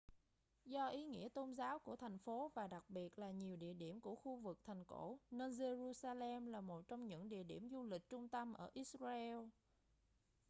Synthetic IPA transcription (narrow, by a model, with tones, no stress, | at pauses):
zɔ˧ʔi˨˦ŋḭ˧˥ət̪o˧nzaː˨˦wku˧˩ət̪ʰa˨˩jŋ̟fo˨˦vaː˨˩ɗa˨˩k̚ɓi˨˩ət̚laː˨˩ɲi˨˩əwɗḭ˧˨əɗi˧˩əmku˧˩əxu˧vɨ˨˩k̚t̪ʰɛ˨˩jŋ̟ko̰˧˥ne˧nze˧zu˧saː˧lɛ˧mlaː˨˩mo˨˩t̚t͡ɕɔ˧wŋ͡mɲɨ̰˧˥ŋɗḭ˧˨əɗḭ˧˩əmzu˧lï˨˩k̟̚t͡ɕʊ˧ŋ͡mt̪ə˧mʔəː˧˩ʔi˦˥t̚zaː˧ʔɛ˧l